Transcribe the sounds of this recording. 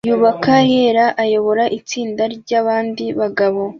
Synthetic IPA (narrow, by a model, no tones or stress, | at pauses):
juːβakajeːɾaʔajo̞βo̞ɾaʔit͡siːndaɾɟaːβaːndiβaɡaβo̞